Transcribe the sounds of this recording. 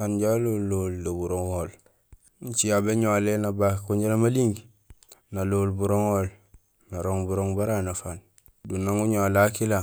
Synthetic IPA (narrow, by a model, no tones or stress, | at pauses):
anɟalolːoldabuɾoŋoːl | ɲt͡ʃijabeɲolenabakuɲɟelamaliŋɡ | naloːlbuɾoŋoːl | naɾoŋbuɾoŋbaɾanafan | dunːaŋuɲolakila